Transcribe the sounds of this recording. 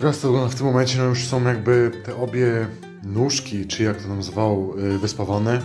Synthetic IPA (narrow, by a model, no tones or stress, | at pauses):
t̪ɾast̪vɡɔnd̪aft̪ɘmːɔmɛnt͡ɕɛnɔjuʂsɔ̃w̃jaɡbɘt̪ɛʔɔbʲjɛ | nuʂkʲit͡ʂɘijak̚t̪ɔt̪amzvawvɘspavanɛ